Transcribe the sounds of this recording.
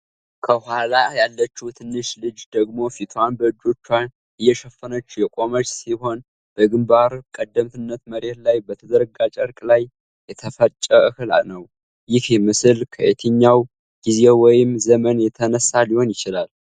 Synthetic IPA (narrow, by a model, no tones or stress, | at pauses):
kʰəhʷalajalːət͡ʃːut̪ʰɨnːɨʃlɨd͡ʒd̪əɡmo̞fit̪ʰwanbəɨd͡ʒːo̞t͡ʃːa | ʔɨjːɛʃɛfːənət͡ʃːujɛkʼo̞mət͡ʃʼsiho̞n | b̥əɡɨmbaɾkʼəd̪ːəmt̪ʰɨnːət̪məɾe̞t̪lajbət̪ʰəd̪əɾɡat͡ʃʼəɾkʼlaj | jɛt̪ʰəfət͡ʃʼːəʔɨhɨla̰nəw | jɪhjɛmɨsɨlkʰəʔet̪ʰɨɲːaw | ɡ̥ize̞wɔjɪmzəmənjɛt̪ʰənəsːaliho̞njɪt͡ʃɪlal